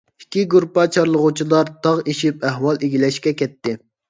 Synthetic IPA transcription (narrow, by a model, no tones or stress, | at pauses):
i̥kʲːiɡuɾpɑt͡ʃʰɑɾlˠəʁut͡ʃʰilˠɑɾt̪ʰɑʁeʃipæɦwɑlˠeɡʲilɛʃkʲɛkʲɛt̪ːɪ